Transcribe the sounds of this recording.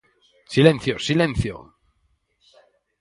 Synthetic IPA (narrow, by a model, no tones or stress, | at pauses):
silẽnθjosilẽn̟θjo̰